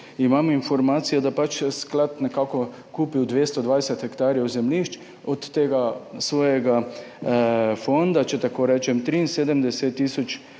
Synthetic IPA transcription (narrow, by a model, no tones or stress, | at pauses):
imaminfɔɾmaːt̪sijɔd̪apat͡ʃsklat̪nɛkaːkɔ | kuːpiwd̪ʋeːst̪ɔd̪ʋajsɛt̪xɛkt̪aːɾjɛwzɛmliʃt͡ʃ | ɔt̪ːeːɡasʋɔːjɛɡa | fond̪at͡ʃɛt̪akoːɾɛːt͡ʃɛmt̪ɾiːinseːd̪əmd̪ɛset̪ːiːsɔt͡ʃ